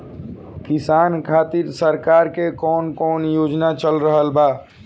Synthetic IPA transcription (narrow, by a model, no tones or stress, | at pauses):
kisankʰat̪iɾsəɾkaɾkekɔnkɔnjod͡ʒnat͡ʃəlɾəɦəlba